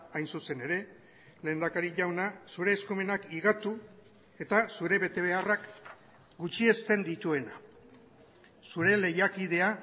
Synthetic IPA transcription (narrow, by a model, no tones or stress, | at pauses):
ajnsuse̞ne̞ɾe̞ | le̞ːnd̪akaɾiʝawnasuɾe̞ːskume̞nakiɣat̪u | e̞t̪asuɾe̞βe̞t̪e̞β̞e̞arak | ɡut͡ʃie̞st̪e̞nd̪it̪ue̞na | suɾe̞le̞jakiðe̞a